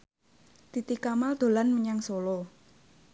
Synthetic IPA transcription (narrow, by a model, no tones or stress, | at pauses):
t̪it̪ikamald̪̥o̤lanməɲaŋsolo